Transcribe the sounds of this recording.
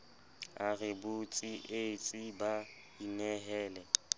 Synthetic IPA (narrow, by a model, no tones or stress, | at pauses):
arɪbʊt͡sʼiʔet͡sʼiba | inɛɦɛːlɛ